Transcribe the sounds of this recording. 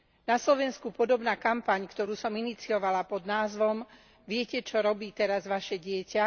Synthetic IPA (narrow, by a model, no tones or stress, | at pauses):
naslɔʋɛnskupɔd̪ɔbnaːkampaɲkt̪ɔɾuːsɔminit͡siɔʋalapɔd̪naːzʋɔm | ʋɪɛcɛt͡ʃɔɾɔbiːt̪ɛɾazʋaʃɛɟɪɛca